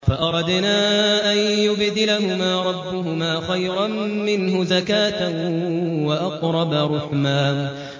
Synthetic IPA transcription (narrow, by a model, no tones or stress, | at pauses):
faʔɑɾˤɑd̪naːʔanjʊbd̪ɪlaɦʊmaːɾˤɑbːʊhʊmaːxajɾammɪnɦʊzakaːt̪a | waʔɑqɾˤɑbaɾˤʊħmaːn